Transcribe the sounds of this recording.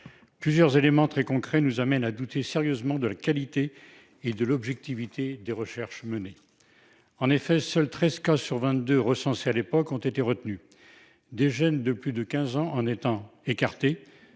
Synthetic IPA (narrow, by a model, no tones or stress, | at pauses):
plyzjœʁzelemɑ̃t̪χɛkɔ̃kχɛnuzamɛnad̪ut̪ʰeseʁjøzmɑ̃d̪əlakalit̪eː | d̪əlɔbʒɛk̚t̪ivit̪ʰed̪eʁəʃɛʁʃməne | ɑ̃nefɛsœlt̪χɛzkasyʁvɛ̃t̪d̪øʁəsɑ̃sealepɔkɔ̃t̪et̪eʁət̪ny | d̪eʒɛnd̪əplyd̪əkʲɛ̃zɑ̃ʔɑ̃net̪ɑ̃ekaʁt̪e